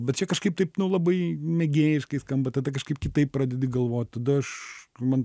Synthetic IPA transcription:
bʲɛt̪̚t͡ʃʲɛkɐʃkɐɪp̚t̪ɐɪpnʊlˠɐbɐɪmʲɛɡʲeːjɪʃkɐɪskɐmbɐt̪ɐd̪ɐkɐʃkɐɪp̚kʲɪt̪ɐɪppɾɐd̪ʲɛd̪ʲɪɡɐlˠʋoːt̪̚ʲt̪ɐd̪ʊɐʃmɐn

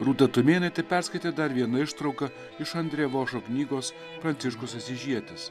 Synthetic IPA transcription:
ɾuːt̪ɐt̪ʊmʲeːnʲɛt̪ʲɛpʲɛɾskɐɪt̪ʲeːd̪ɐɾʋʲiɛnɐɪʃt̪ɾɐʊkɐ | ɪʃɐnʲd̪ʲɾʲeːʋoːʃoːknʲiːɡoːs | fɾɐnʲtsʲɪʃkʊsɐsʲɪʒʲiɛt̪ʲɪs

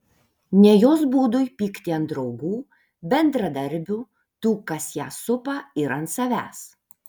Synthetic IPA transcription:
nʲɛjoːsbuːd̪ʊjpʲiːkt̪ʲɪɐnt̪d̪ɾɒʊɡuː | bʲɛnd̪ɾɐd̪ɐɾʲbʲʊ | t̪uːkɐsjæːsʊpɐɪɾɐnt̪sɐʋʲæ̰ːs

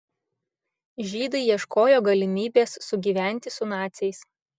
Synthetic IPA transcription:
ʒʲiːd̪ɐɪiɛʃkoːjoːɡɐlʲɪmʲiːbʲeːsːʊɡʲiːʋʲæˑnʲt̪ʲɪsʊnɑːt̪sʲɛɪs

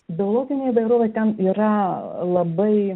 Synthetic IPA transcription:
bʲɪoːlˠoːɡʲɪnʲeːiʋɐɪɾoːʋʲɛɪt̪ʲɛniːɾɐlˠɐbɐɪ

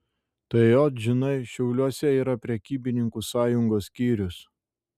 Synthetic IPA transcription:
t̪ɐɪjot̪ʒʲɪnɐɪʃʲɛʊlʲuɔsʲɛiːɾɐpʲɾʲɛkʲiːbʲɪnʲɪŋkusɑːjʊŋɡoːsʲkʲiːɾʲʊs

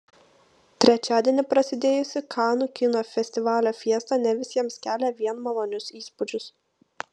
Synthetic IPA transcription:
t̪ʲɾʲɛt͡ʃʲæːd̪ʲiɛnʲɪpɾɐsʲɪd̪ʲeːjʊsʲɪkʰɑːnuːkʲɪnoːfʲɛsʲt̪ʲɪʋɑːlʲoːfʲiɛst̪ɑnʲɛʋʲɪsʲiɛmskʲæːlʲɛʋʲiɛnmɐlˠoːnʲʊsiːspʊd͡ʒʲʊs

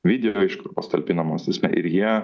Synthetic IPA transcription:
ʋʲiːd̪ʲɛjoɪʃkʊpɐst̪ɐlʲpʲɪnɐmɐsʲt̪ʲɪsʲmʲɛ̰ʔɪ̰ɾjiɛ

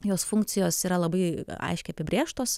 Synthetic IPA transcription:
joːsfʊŋkt͡ssʲɪjoːsiːɾɐlˠɐbɐɪɐ̰ɪʃʲkʲʊɐpʲɪbʲɾʲeːʃt̪oːs

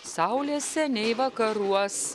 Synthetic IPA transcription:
sɑʊlʲeːsʲɛnʲɛɪʋɐkɐɾuɔs

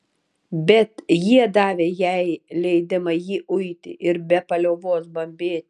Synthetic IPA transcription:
bʲɛt̪jiɛd̪ɑːʋʲeːjɛɪlʲɛɪd̪ʲɪmɐjiːʔʊɪt̪ʲɪ̰ʔɪɾbʲɛpɐlʲoːʋoːsbɐmʲbʲeːt̪ʲɪ

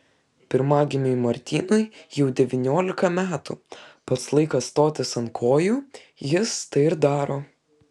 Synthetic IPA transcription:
pʲɪɾmɑːɡʲɪmʲɛɪmɐɾʲt̪ʲiːnɔɪjɛʊd̪ʲɛʋʲɪnʲoːlʲɪkɐmʲæːt̪ṵpɐt̪slˠɐɪkɐsst̪oːt̪ʲɪsɐnkʰoːjuː | jɪst̪ɐɪɪɾd̪ɑːɾoː

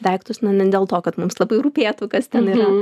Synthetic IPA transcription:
d̪ʲɐɪkt̪ʊsnʊnʲɛdʲeːlˠt̪oːkɐt̪mʊmslˠɐbɐɪɾuːpʲeːt̪ʊkɐst̪ʲɛniːɾɐ

